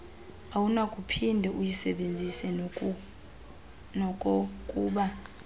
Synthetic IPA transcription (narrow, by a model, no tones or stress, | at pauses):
awunakʼupʰindʱɛʔujisɛɓend͡zʱisɛ | nɔkʼɔkʼuːɓa